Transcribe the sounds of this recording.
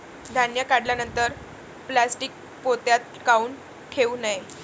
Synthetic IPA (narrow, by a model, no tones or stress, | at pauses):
d̪ʱanjakaɽljanənt̪əɾ | plasʈik̚ | pot̪jat̪̚ | kauːn | ʈʰeunaj